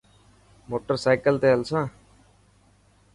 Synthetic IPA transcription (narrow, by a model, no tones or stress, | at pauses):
moːʈəɾsajkəlt̪eəlsãː